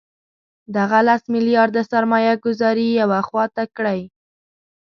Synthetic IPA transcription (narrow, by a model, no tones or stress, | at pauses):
d̪aɣalasmɪlijɑɾd̪əsaɾmɑjaɡʊzɑɾijawaxwɑt̪akɽaj